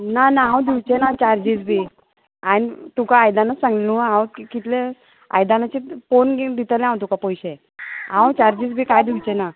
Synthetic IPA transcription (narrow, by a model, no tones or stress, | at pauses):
nanaɦãwd̪iwt͡ɕenat͡ɕaɾd͡ʑid͡zbʱi | anit̪ukaːjd̪anasãŋɡlũɦãwkkit̪le | a̰jd̪anat͡ɕifonɡd̪it̪əlẽɦãwt̪ukapəjɕe | ɦãwt͡ɕaɾd͡ʑid͡zbʱikajd̪iwt͡ɕena